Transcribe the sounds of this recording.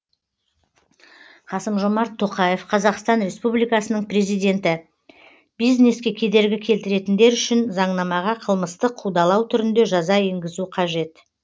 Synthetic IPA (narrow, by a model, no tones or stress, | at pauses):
qʰɑsəmʒomɑɾt̪ʰːo̞qɑje̞fqʰɑzɑqst̪ɑnɾe̞spublijkɑsənəɴpre̞zijd̪ʲe̞nt̪ɪ | b̥ijzne̞skʲe̞kʲʰe̞d̪e̞ɾɡʲɪkʲʰe̞lt̪ɪɾe̞t̪ɪnd̪e̞ɾʏʃɪnzɑɴnɑmɑʁɑqʰəlˠməst̪əqʰːud̪ɑlˠɑwt̪ʰʏɾɪnd̪e̞ʒɑzɑe̞ŋɡʲɪzuqʰɑʒe̞t̪